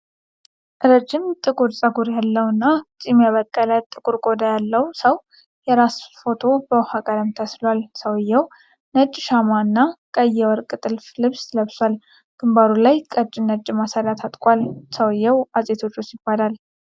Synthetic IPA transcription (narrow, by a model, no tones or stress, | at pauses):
ʔɨɾəd͡ʒːɪmt̪ʼɨkʼuɾsʼəɡuɾjalːəwɨnːat͡ʃʼimjaβəkʼːələt̪ʼːɨkʼuɾkʼo̞d̪ajalːəwsəw | jɛɾasfo̞t̪ʰo̞bəwhakʼəɾəmt̪ʰəslwalsəwjːɛw | nəd͡ʒʼːʃamaɨnːakʼəjːɛwɔɾkʼɨt̪ʼɨlflɨβsləβswal | ɡ̥ɨmbaɾulajkʼət͡ʃʼːɪnət͡ʃʼːɪmasaɾat̪ʰat̪ʼkʼʷalsəwɨjːɛwazʼet̪ʰo̞t͡ʃʼːosjɪb̥ːalal